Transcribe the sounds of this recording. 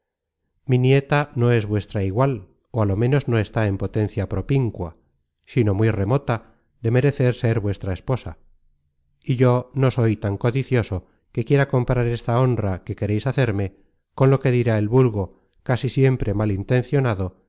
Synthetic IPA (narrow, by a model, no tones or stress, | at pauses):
minje̞t̪ano̞e̞zβwe̞st̪ɾaiɣwal | oalo̞mẽ̞no̞zno̞e̞st̪ae̞mpo̞t̪e̞n̟θjapɾo̞piŋkwa | sino̞mwjre̞mo̞t̪a | ðe̞me̞ɾe̞θe̞ɾseɾβwe̞st̪ɾaespo̞sa | iʝo̞noso̞jt̪aŋko̞ðiθjo̞so̞ | ke̞kje̞ɾako̞mpɾaɾe̞st̪ao̞nrake̞ke̞ɾejsaθe̞ɾme̞ | ko̞nlo̞ke̞ðiɾaelβulɣo̞ | kasisje̞mpɾe̞malint̪e̞n̟θjo̞naðo